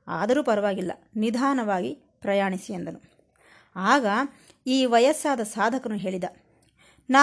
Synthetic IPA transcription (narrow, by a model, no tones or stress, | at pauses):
a̰ːd̪ɐɾuːpɐɾɐʋaːɡilːɐ̰nid̪ʱaːnɐʋaːɡi | pɾɐjaːɳisiend̪ɐnu | aːɡɐ | iːʋɐjɐsːaːd̪ɐsaːd̪ʱɐkɐnuɦe̞ːɭid̪ɐ | naː